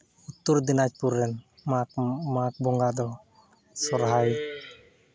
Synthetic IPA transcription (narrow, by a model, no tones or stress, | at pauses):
ut̪ːuɾd̪inat͡ʃpuɾːɛn | mamak̚bɔŋɡad̪ɔ | sɔɾɦaj